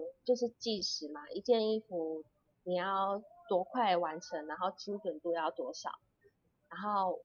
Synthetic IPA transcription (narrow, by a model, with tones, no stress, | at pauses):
t͡ɕjo˥˧ʊʂ̬ɻ̩˥˧t͡ɕi˥˧ʂɻ̩˨˦ma˨ʔi˧˥t͡ɕjɛ˥˧ni˥˩fu˨˥ | ni˨˩jɑ˥˩ʊt̪wɔ˧˥kʰwa˥˩ɪwa˧˦nʈ͡ʂʰə˧˦ŋna˧˥nxo˥˩ʊt͡ɕʰi˥ŋʈ͡ʂə˨˩nt̪u˥˧jɑ˥˩ʊt̪wɔ˧˥ʂɑ̰˨˩˦ʊ | na˧˥nxo˥˩ʊ